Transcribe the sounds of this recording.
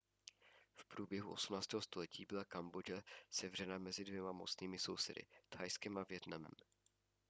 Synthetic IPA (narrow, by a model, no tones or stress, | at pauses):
fpɾuːbjɛɦuʔosumnaːt͡st̪ɛːɦost̪o̞lɛcḭːbɪlakambod͡ʒɛsɛvr̝ɛnamɛzɪdvjɛmamo̞t͡sniːmɪso̞̰wsɛ̰dɪ̰t̪hajskɛmavjɛt̪namɛ̰m